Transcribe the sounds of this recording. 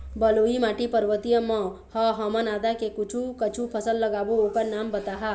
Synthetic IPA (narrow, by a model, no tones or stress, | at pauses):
bəloimaʈipəɾʋət̪ijəmɔ̃hɔɦəmənad̪akekut͡ʃʰukət͡ʃʰupʰəsəlːəɡabookəɾnambət̪aɦa